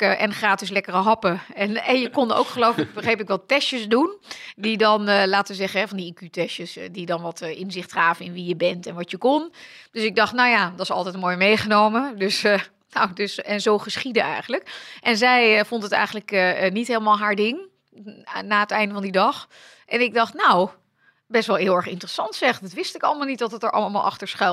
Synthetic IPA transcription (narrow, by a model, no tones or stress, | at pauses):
ʔɛnχraːtɪs̬lɛkərəɦɑpəɛnɛnjəkɔndo̰wkχəlowflək̚bəχejpɪkʋɛltɛʃəsdundidɔnlaːtəʋəzɛχənɦɛvɑndiikytɛʃəsdidɑnʋɑtʔɪnzɪχtraːvənɪnʋijəbɛntɛnʋɑtjəkɔnd̥øsɪɡ̚dɑχtnawjaːdɑsɑ̰lˠtɛjtmoːjmejχənowmədøs | nowdøsɛnzowχəsχidənɛ̰jχənləkʔɛnzɛjfontətɛ̰jχən̩ləknitɦheːləmaːlˠɦaːɹdɪŋ | naːətɛjndəvɑndidɑχ | ʔɛnɪɡ̚dɑχtnow | bɛstʋɛlˠɦɪːlˠɛɹχɪ̰ntərəsɑntsɛχdɑtʋɪstɪkɑləmalˠnit̚dɑtətəɹʔɑ̰lˠəma̰lˠʔɑ̰χtəɹsχɛ